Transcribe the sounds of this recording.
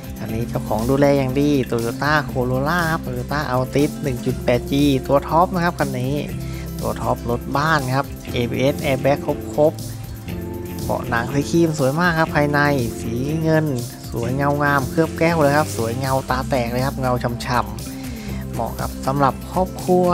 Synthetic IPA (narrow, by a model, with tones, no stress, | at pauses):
ka˧nːiː˦˥t͡ɕa˧˩wkʰɔː˩˦ŋduː˧lɛː˧ja˨˩ŋdiː˧t̪u˧joː˧˩t̪aː˥˩kʰoː˧loː˧laː˥˩kʰa˦˥p̪̚ːjoː˧˩t̪aː˥˩ʔa˧wt̪i˦˥t̪̚nɯ˨˩ŋt͡ɕu˨˩t̪̚pɛː˨˩t̪̚t͡ɕiː˧t̪u˧ɐt̪ʰɔ˦˥p̚na˧˥kʰa˦˥p̚kʰa˧nːiː˦˥ | t̪u˧ɐt̪ʰɔ˦˥p̚lo˦˥t̪̚baː˥˩nkʰa˦˥p̚ʔeː˧bḭː˧ʔe˦˥t̪ʔɛː˧bɛː˦˥kʰːo˦˥p̚kʰo˦˥p̚ | bɔ̰ː˧˩ʔna˨˩˦ŋsiː˨˦kʰiː˧˩msu˩˦əjmaː˥˩kʰːa˦˥pʰːaː˧jna˧jsiː˩˦ŋɤ˧n | su˨˩˦əjŋa˧wŋaː˧˩mkʰɯ˥˩əp̚kɛː˥˩wlɤː˧jkʰa˦˥p̚su˨˩˦əjŋa˧wt̪aː˧t̪ɛː˨˩k̚lɤː˧jkʰa˦˥p̚ŋa˧wt͡ɕʰa˧mt͡ɕʰa˧˩mː | ɔ̰ː˧˨˩ka̰˧˥p̚sa˨˦mɾa˨˩p̚kʰɔː˥˩p̚kʰu˧ə